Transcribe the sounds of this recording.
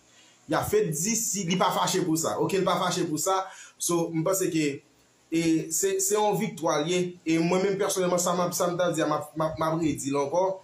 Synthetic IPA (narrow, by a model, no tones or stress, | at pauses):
jafɛt̪̚d͡zisilipafaʃepusa̰ʔokelipafaʃepusasom̩pɑ̃seke | esɛsɛɔ̃vik̚t̪waljeemwɛ̃mɛ̃mpɛʁsonɛlmɑ̃samapsam̩t̪ad͡ziamapmap̚mapɣed͡zilãkɔ